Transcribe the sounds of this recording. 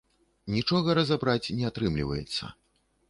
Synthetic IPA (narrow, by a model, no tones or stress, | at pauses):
nʲit͡ʂɔɣɐɾɐzabɾat͡sʲnʲɛat̪ɾɨmlʲivɐ̰jɛ̰t̪sːɐ̰